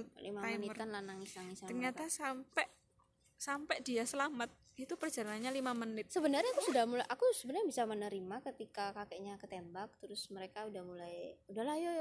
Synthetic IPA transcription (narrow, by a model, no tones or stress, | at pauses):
lḭmaamniəranlanaŋisaŋisaərɲat̪asampɛʔ | sampɛʔdiasəlamat̪̚ | it̪upərd͡ʒalanaɲalimamənɪt̪̚səbənərɲakusudahmulajʔakusəbənarɲabisamənəɾimakət̪ikakakɛʔɲakət̪embak̚t̪əɾʊsməɾekaudahmulajudahlahjoj